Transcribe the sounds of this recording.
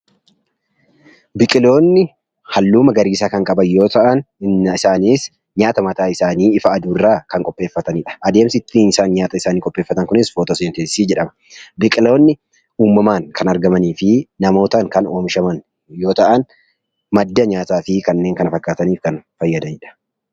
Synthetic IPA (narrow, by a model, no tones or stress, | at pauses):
bɪkʼɪlo̞ːnːɪ | hɐlːuːmɐɡɐɾiːsaːkɐŋkʼɐbɐnjo̞ːt̪ɐʔɐnɪsaːniːs | ɲaːt̪ɐmɐt̪aːɪsaːniːɪfɐːd̪uːrːaːkɐŋkʼɔpʼːe̞ːfːɐt̪ɐniːᶑɐ̥ʔɐd̪eːmsɪɪt̪ːiːnɪsaːnɲaːt̪ɐɪsaːniːkʼɔpʼːe̞ːfːɐt̪ɐŋkʊnɪsfoːt̪ɐsɐnt̪eiːd͡ʒɛᶑɐmɐ | bɪkʼɪlo̞ːnːɪ | uːmːɐmaːŋkʰɐnɐɾɡɐmɐniːfɪnɐmo̞ːt̪ɐŋkɐnoːmʃɐmɐn | jo̞ːt̪ɐʔɐn | mɐd̪ːɐɲaːt̪aːfɪkɐnːe̞ːŋkɐnɐfɐkːaːt̪ɐniːfkɐnfɐjːɐd̪ɐniːᶑɐ̥